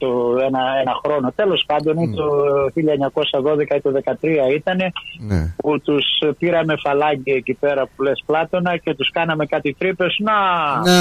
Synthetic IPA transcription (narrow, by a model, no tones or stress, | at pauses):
t̪oenɐenɐxɾo̞no̞t̪e̞lo̞spɐnd̪o̞nit̪oçiʎɐeɲɐko̞sɐðo̞ðe̞kɐit̪oðe̞kɐt̪ɾiɐit̪ɐne̞put̪uspiɾɐme̞fɐlɐɟiecipe̞ɾɐpule̞splɐt̪o̞nɐce̞t̪uskɐnɐme̞kɐt̪it̪ɾipe̞snɐ